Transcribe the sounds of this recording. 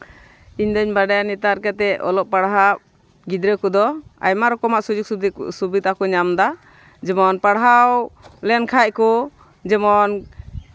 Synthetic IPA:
iɲd̪ɔɲbaɖajanit̪aɾkat̪ɛʔɔ̰lɔp̚paɽɦap̚ | ɡid̪ɾəkɔd̪ɔa̰jmaɾɔkɔmaʔsud͡ʒuk̚subid̪akɔɲamd̪a | d͡ʒɛmɔnpaɽɦawlɛnkʰac̚kɔ | d͡ʒɛmɔn

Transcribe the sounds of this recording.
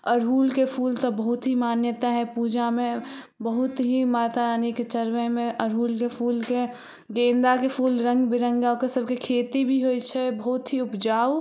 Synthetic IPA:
əɾɦuːlkepʰuːlt̪obəɦʊt̪ɦimaːnjət̪aɦɛpuːd͡ʒamẽ | bəɦʊt̪ɦimaːt̪aɾaːniket͡ʃəɾmemẽʔəɾɦuːlkepʰuːlke | ɡẽːnd̪akepʰuːlɾə̃ŋɡbʱiɾə̃ŋɡaokesəb̚ʱkekʰeːt̪ibʱiɦoːit͡ʃʰɛbəɦʊt̪ɦiʊpd͡ʒaːu

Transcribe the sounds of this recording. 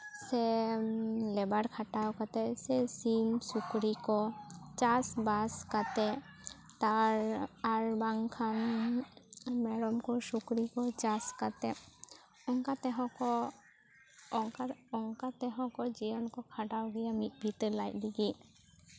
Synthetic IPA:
sɛ | lɛbaɽkʰaʈawkat̪ɛsɛsimsukɾikɔt͡ʃasbaskat̪ɛ | t̪aɾaɾbaŋkʰan | mɛɽɔmkɔsukɾikɔt͡ʃaskat̪ɛ | ɔŋkat̪ɛɦɔ̃kɔ | ɔŋkaɔŋkat̪ɛɦɔ̃kɔd͡ʒijɔnkɔkʰaʈawɡɛjamit̪̚ˀbʱit̪lajt̪̚ˀdiɡi

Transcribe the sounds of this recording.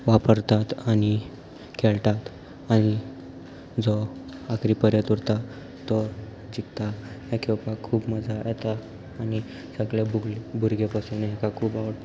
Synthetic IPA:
ʋapəɾt̪at̪añi | kʰɛɭt̪at̪ | aɽ̃i | d͡zɔakɾipəɾjət̪uɾt̪a | t̪ɔ | d͡ʑikt̪aɦɛkʰewpakʰuːpməd͡zʱajɛt̪aː | ñi | səɡlabuɡlbʱuɾɡepasunɦɛkakʰuːpaʋəɽ

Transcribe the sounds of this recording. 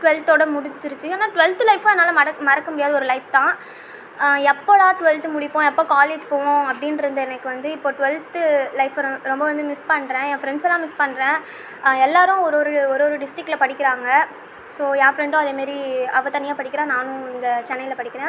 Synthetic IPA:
ʈʊʋɛlt̪oːɽɐmʊɽɪt͡ʃːɪɾɯt͡ʃːɯaːnːaːʈʋɛlt̪ɯlɐɪfɐ̃ɛnːaːlɐmɐɐmɐɾɐkːɐmʊɽɪjaːðɯɔɾɯlɐɪp̚t̪ãː | ɛpːoːlaːʈʊʋɛlt̪ɯmʊɽɪpːõːɛpːoːkaːleːd͡ʒpoːʋõɐpːɐɽɪnɪɾɯnd̪ɯɛnɐkːɯʋɐnd̪ɯɪpːoːʈʊʋɛlt̪ɯlɐɪfɾ̃ɾɔmbɐʋɐnd̪ɯmɪspɐɳːɾẽːẽːfɾɛɳɖsɛlːãːmɪspɐɳːɾẽː | ɛlːaːɾʊ̃ɔɾoːɾɯɔɾoːɾɯɖɪsʈɾɪk̚ʈːlɐpɐɽɪkʲːɪɾaːŋɡɐ | soːaːfɾɛɳɖʊ̃ɐðeːmaːd̪ɾiɐʋɐt̪ːɐnɪjaːpɐɽɪkːɪɾãːnaːnʊ̃ɪnd̪ɐt͡ʃɛnːɐɪjɪlɐpɐɽɪkːɪɾẽː

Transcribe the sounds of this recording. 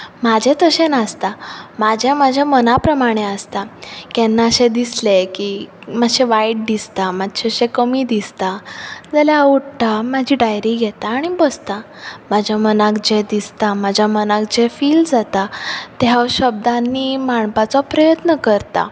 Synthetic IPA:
mad͡ʑʱet̪əɕenast̪amad͡ʑʱjamad͡ʑʱjamənapɾəmaɽ̃eəst̪akɛnːaəɕed̪islekiːmaɕeʋajʈ̚d̪ist̪amad̪ɕeɕekəmiːd̪ist̪ad͡zəljauɽʈamad͡ʑʱiɖajɾiɡʱɛt̪aːɽ̃ibəst̪a | mad͡ʑʱjamənãkd͡ʑed̪ist̪amad͡ʑʱjamənãkd͡ʑefiːld͡zat̪at̪ɛɦaɕəb̚d̪anːiːmaɳpat͡sɔpɾəjət̪nəkəɾt̪a̰

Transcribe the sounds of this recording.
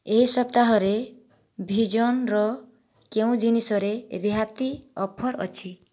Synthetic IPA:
eɦisʌp̚t̪aɦɔɾe | bʱid͡ʒɔnɾɔ | keũd͡ʒinisɔɾeɾeɦat̪iɔpʰɔɾʌ̰t͡ʃʰi

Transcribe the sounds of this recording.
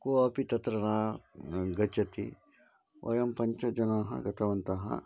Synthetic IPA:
koɐpit̪ɐt̪ɾɐnaː | ɡɐt͡ʃɐt̪ḭ | ʋʔɐ̰jɐmpɐɲt͡ʃɐd͡ʒɐnaːɦɐ̰ɡɐt̪ʰɐʋɐnt̪ɐɦɐ̰

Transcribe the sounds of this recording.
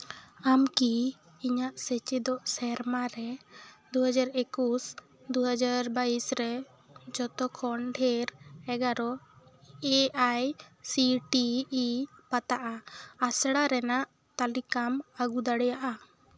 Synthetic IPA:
amki | iɲaʔsɛt͡ʃid̪ɔʔsɛɾmaɾɛd̪uɦad͡ʒaɾekus | d̪uɦad͡ʒaɾbaisɾɛ | d͡ʒɔt̪ɔkʰɔɳɖʰʱɛɾɛɡaɾɔ | eʔajsiʈiː | pat̪aʔaːsɽaɾɛnaʔ | t̪alikamaɡud̪aɽɛjaʔa

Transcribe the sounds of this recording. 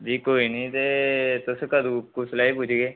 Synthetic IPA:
d͡ʒiːkoːiːnəĩːt̪et̪ʊskəd̪ukuslaːipud͡ʒɡeː

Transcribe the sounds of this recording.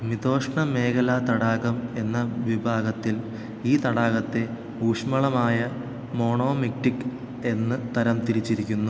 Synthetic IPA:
mit̪o̞ːʂɳɐme̞ːkɐlat̪ɐɽaːɣɐme̞nːɐʋibʱaːɡɐt̪ːil | iːt̪ɐɽaːɣɐt̪ːe̞ | uːʂmɐɭɐmaːjɐ | mo̞ːɳo̞ːmik̚ʈikː | e̞nːɨt̪ɐɾɐmt̪iɾit͡ɕːiɾikʲːunːu

